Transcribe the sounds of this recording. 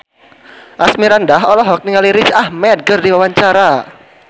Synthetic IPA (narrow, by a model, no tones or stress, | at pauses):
ʔasmiɾandaɦɔlɔɦɔk̚niŋaliɾit͡ʃahmɛt̚ɡərdiwawaɲt͡ʃaɾa